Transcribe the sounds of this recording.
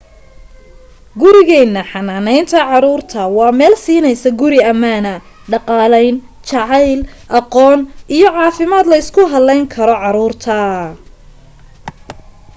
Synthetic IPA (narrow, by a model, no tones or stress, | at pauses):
ɡʊɾɪɣɛːnːɐħɑnaːnɛjnt̪ʰɐʕɑɾuːrt̪ʰɐwɑːmɛːlsiːnɛjsɐɡʊɾɪɐmaːnɐ | ɖɑqɑːlɛjn | t͡ʃɑʕɑjl | ʔɑqɔːnʔijɞʕɑːfɪmaːd̪lɐɪskʰʊɦɐlɛjŋkʰɐɾɔʕɑɾuːrt̪ʰɐ